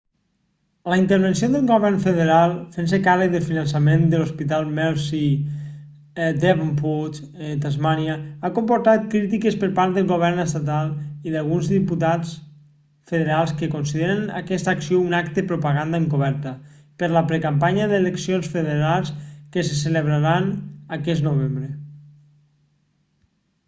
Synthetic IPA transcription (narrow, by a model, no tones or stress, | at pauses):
ləint̪əɾβensiod̪uŋɡoβɛrnfəðeɾalˠfensekarəkðəlfinənsəmend̪əluspit̪alˠmɛlˠsi | d̪eβamput͡ʃ | et̪azmaniaakompuɾt̪at̪̚kɾit̪ikəspəɾpaɾt̪̚d̪əlˠɣoβ̞ɛɾnəst̪at̪alˠiðalˠɣunzðiput̪at͡s | feðeɾalˠskəkonsiðeɾənə̰kɛst̪əːksiounak̚t̪pɾupaɣand̪aeŋkoβ̞ɛɾt̪ə | pəɾləpɾekampaɲəðeleksionsfeðeɾalˠskəsəsələβɾaɾanəkɛznoβ̞embɾə